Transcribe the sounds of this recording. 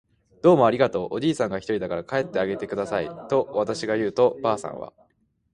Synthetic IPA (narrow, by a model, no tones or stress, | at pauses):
d̪̥o̞ːmo̞aɾʲiɡat̪o̞ːʔoʑiːsãŋɡaçʲi̥t̪o̞ɾid̪akaɾakae̞t̪ːe̞aɡe̞t̪e̞kɯ̟d̪asait̪o̞βat̪aɕiɡajɯ̟ːt̪o̞baːsã̰ɰ̃βa̰